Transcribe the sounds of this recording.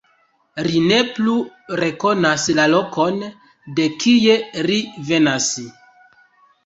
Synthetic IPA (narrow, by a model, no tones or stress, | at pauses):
line̞pluɾe̞ko̞naslalo̞kʰo̞n | de̞kije̞ɾive̞nas